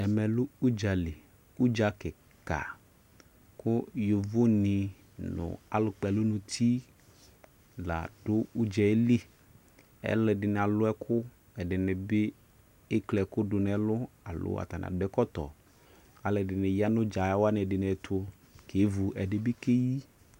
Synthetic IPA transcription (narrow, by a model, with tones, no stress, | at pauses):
ɛ˨mɛ˨lʊ˦u˦d͡ʒa˨lɪ˨ | u˦d͡ʒa˦kɪ˨ | ka̰˨ | kʊ˦jo˨vʊ˦nɪ˨ | nʊ̰̃˨a̰˨lʊ˨k͡pɛ˨lʊ˦nʊ̃˨t̪ʰi˦ | la̰˨dʊ˦ʊ˦d͡ʒɛ˨˦li˦ | ɛ̰˦lɛ˨dɪ˨nɪ˨a˨lʊ˦ɛ˦kʰʊ˦ | ɛ˨dɪ˨nɪ˨bɪ˦ | ɪ˦klɛ˨kʊ˦dʊ˨nɛ˨lʊ˦a˨lʊ̰˦a̰˨t̪a˨n̰˨a̰˨dʊ˨˦ɛ˦kɔ˦t̪ɔ̰˨ | a˨lɛ˨dɪ˨nɪ˨ja˦nʊ̃˦d͡ʒa˨ja˦wa˦n˨ɛ˨dɪ˨nɛ˨t̪ʰʊ˦ | kʰe˨˦vu˨ɛ˨dɪ˨bɪ˦ke˦ji˦